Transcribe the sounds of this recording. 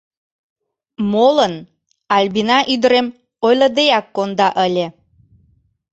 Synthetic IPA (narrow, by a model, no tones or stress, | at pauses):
molən | ɑlʲbinɑʔyd̪əɾem | ojləd̪eɑkːond̪ɑʔəlʲe